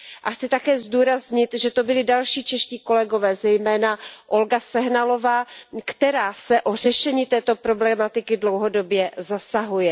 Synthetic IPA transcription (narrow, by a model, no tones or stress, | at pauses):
ʔaxt͡sɪt̪akɛːzduːɾazɲɪt̪ʒɛt̪o̞bɪlɪdalʃiːt͡ʃɛʃciːko̞lɛɡo̞vɛːzɛjmɛːnaʔo̞lɡasɛɦnalo̞vaːkt̪ɛɾaːsɛʔo̞r̝ɛʃɛɲiːt̪ɛːt̪o̞pɾo̞blɛmat̪ɪkɪdlo̞wɦodo̞bjɛzasaɦujɛ